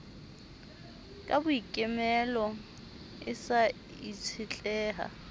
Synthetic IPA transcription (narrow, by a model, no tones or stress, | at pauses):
kʼabʊikʼɪmɛlɔ | ɪsa | it͡sʰɪt͡ɬʼɛːɦa̰